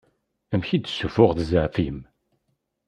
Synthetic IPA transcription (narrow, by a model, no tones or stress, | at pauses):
æmçid̪ə̥sːufʊʁθəzaʕfim